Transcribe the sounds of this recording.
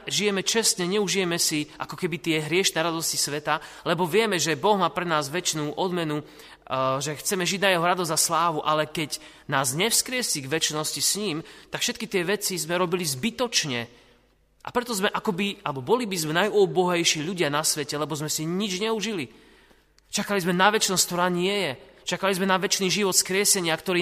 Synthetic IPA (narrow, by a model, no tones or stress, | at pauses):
ʒijɛmɛt͡ʃɛst̪ɲɛɲɛuʒijɛmɛsiʔa̰kɔkɛbit̪ɪɛɦɾɪɛʃnɛɾad̪ɔscisʋɛt̪a | lɛbɔʋɪɛmɛʒɛbɔɣmaːpɾɛnaːzʋɛt͡ʃnuːʔɔd̪mɛnu | ʒɛxt͡sɛmɛʒiɟnajɛɦɔɾad̪ɔzd̪aslaːʋuʔalɛkɛɟ | naːzɲɛfskɾɪɛsiɡʋɛt͡ʃnɔscisɲiːmt̪akfʃɛt̪̚kit̪ɪɛʋɛt͡sizmɛɾɔbilizbit̪ɔt͡ʃɲɛ | ʔa̰pɾɛt̪ɔzmɛʔakɔbialɛbɔbɔlibizmɛnajubɔɦɛjʃiːʎuɟɪanasʋɛcɛlɛbɔzmɛsiɲid͡ʒɲɛuʒili | t͡ʃakalizmɛnaʋɛt͡ʃnɔsk̚t̪ɔɾaːɲɪɛjɛt͡ʃakalizmɛnaʋɛt͡ʃniːʒiʋɔt̪skɾɪɛsɛɲɪakt̪ɔɾiː